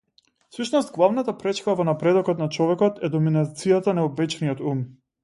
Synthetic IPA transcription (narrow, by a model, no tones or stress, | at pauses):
fsut͡ʃnɔst̪̚ɡlˠavnat̪apɾɛt͡ʃkavɔnapɾɛd̪ɔkɔt̪nat͡ʃɔvɛkɔt̪ɛd̪ɔminat̪sijat̪anɛɔbɛt͡ʃnijɔt̪um